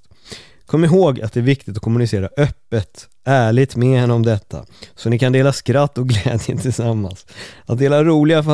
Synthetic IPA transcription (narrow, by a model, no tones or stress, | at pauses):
kʰɔmːɪɦoːɡa̰t̪̚d̪ɛæɾvɪk̚t̪ɪt̪ɔ̥kʰɔmɵnɪseːɾaʔœpːət̪ | æːɭɪt̪mɛhɛnːəɔmd̪ɛt̪ʰːa̰sɔnɪkand̪eːlaskɾat̪ːɔɡlɛːd̪jə̰nt̪ʰɪlsamːa̰nsat̪̚d̪eːlaɾuːlɪɡaf